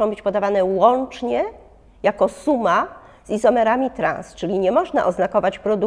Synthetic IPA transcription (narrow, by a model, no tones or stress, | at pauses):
ɔ̃w̃bɘt͡ɕpɔd̪avanɛwɔnt͡ʂɲɛ | jakɔsuma | z̥izɔmɛɾamʲit̪ɾã̰nst͡ʂɘlʲiɲɛmɔʐna̰ʔɔznakɔvat͡ɕpɾɔd̪u